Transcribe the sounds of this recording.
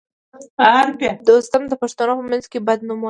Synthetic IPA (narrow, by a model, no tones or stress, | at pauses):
aaɾpad̪ost̪amd̪əpaʂt̪anopəmanzkebad̪̚numa